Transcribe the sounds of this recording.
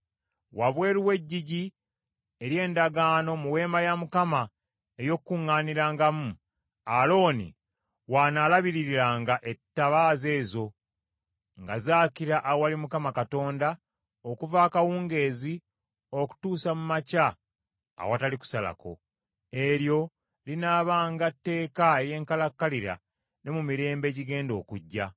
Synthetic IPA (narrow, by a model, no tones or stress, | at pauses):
waβwe̞ːɾuwe̞ɟːiɟi | e̞ɾje̞ːndaɡaːno̞muwe̞ːmbajamukama | ejo̞kkːuŋːaːniɾaːŋɡamu | alo̞ːnḭ | waːnaːlaβiɾiɾiɾaːŋɡaʔe̞tːaβaːze̞ːzo̞ | ŋɡazaːkiɾaʔaowalimukamakato̞ːnda | okuvaːkawuːŋɡe̞ːzi | o̞ku̥tuːsamumaca̰ː | wataliku̥sala̰ko̞̰ | e̞ɾjo̞ | linaːβaːŋɡatːe̞ːkaeje̞ːŋkalakːaliɾa̰ | ne̞mumiɾe̞ːmbe̞ːɟiɡe̞ːndo̞ːkuɟːa